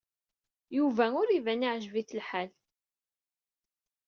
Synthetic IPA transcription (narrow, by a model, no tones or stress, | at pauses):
juvæʊɾivæniʕʒviθəlħal